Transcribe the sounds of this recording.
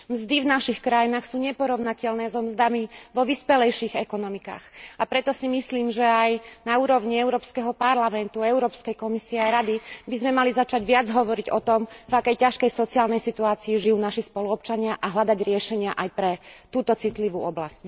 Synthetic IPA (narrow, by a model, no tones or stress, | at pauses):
mzd̪ivnaʃixkɾajinaːxsuːɲɛpɔɾɔʊnacɛʎnɛːzɔmzd̪amiʋɔʋispɛlɛjʃiɣɛkɔnɔmika̰ːxapɾɛt̪ɔsimisliːmʒɛajnauːɾɔʊɲiɛʊɾɔːpskɛɦɔpaɾlamɛnt̪uɛʊɾɔːpskɛjkɔmisiɛaɾad̪ibizmɛmalizat͡ʃaɟʋɪad͡zɦɔʋɔɾiɟɔt̪ɔmvakɛjcaʃkɛjsɔt͡siaːlnɛjsit̪uaːt͡siːʒijuːnaʃispɔluɔp̚t͡ʃaɲɪaʔaɦlad̪aɟɾɪɛʃɛɲɪaʔajpɾɛt̪uːt̪ɔt͡sit̪liʋuːɔbla̰sc̚